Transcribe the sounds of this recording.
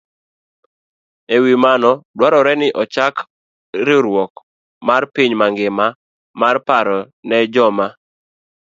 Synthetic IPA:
ewimanɔdwaɾɔɾɛnɪʔɔt͡ʃak | ɾɪɾwɔk | marpiɲmaŋɡɪma | marpaɾɔ | nɛd͡ʒɔma

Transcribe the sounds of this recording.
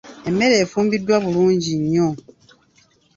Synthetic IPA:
emːe̞ɾeːfuːmbidwaβuluːɲɟiɲːo

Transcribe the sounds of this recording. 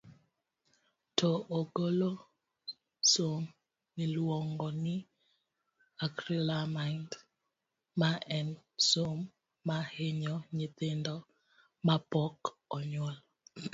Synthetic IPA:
tʰɔʔoɡolo | som | nɪlwɔŋɡɔnɪ | akɾilamand | maɛnsomː | aheɲɔɲit̪endɔ | mapɔk | ɔɲɔl

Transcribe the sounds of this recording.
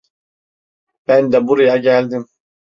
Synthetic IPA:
b̥ænd̪ɛbuɾajɑɟælʲd̪im

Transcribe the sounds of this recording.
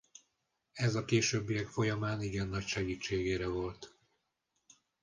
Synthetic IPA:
ɛzɒkeːʃøːbːijɛkfo̞jɒmaːniɡɛnːɒcʃɛɡiːt͡ʃːeːɡeːɾɛvo̞lt̪

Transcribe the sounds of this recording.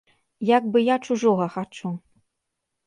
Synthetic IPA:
jaɡbɨjat͡ʂuʐɔɣɐxat͡ʂu

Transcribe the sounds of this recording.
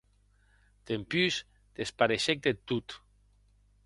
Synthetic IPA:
d̪̥empyz | d̪̥espaɾeʃek̚d̪et̪ut̪

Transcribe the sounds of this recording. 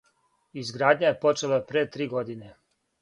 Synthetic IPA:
izɡɾaːd̪ɲaje̞po̞t͡ʃe̞lapɾet̪ɾiːɡo̞d̪ine

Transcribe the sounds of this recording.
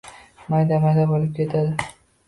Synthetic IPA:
majd̪amajd̪abolɪp̚kʲʰet̪ʰad̪ɪ

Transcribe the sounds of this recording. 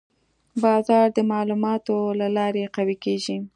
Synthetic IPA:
bɑzɑɾd̪əmɑlumɑt̪olalɑɾeqawikeʒi

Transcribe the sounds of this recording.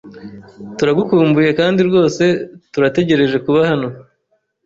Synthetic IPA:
tuɾaɡukuːmbuje̞kaːndiɾɡo̞ːse̞tuɾate̞ɟe̞ɾe̞ʒe̞kuβahano̞

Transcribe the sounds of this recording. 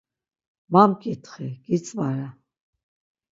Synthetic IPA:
mamkʼit̪χɛkʼit͡sʼvaɾa

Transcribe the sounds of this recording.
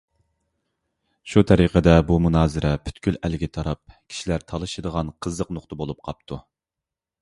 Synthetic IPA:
ʃut̪ʰɛɾiqʰəd̪ɛbumunɑːzɨɾʔɛpʰy̥t̪kʲylælɪɡʲit̪ʰɑɾɑp̚kʲʰi̥ʃilæɾt̪ʰɑlˠɨʃɨd̪əʁɑnqʰəzəqnʊχt̪ɨbolˠup̚qʰɑp̚t̪ʰu

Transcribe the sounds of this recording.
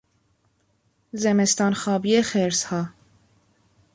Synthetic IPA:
zɛmɛst̪ɑːnxɑːbiexeɾshɑː

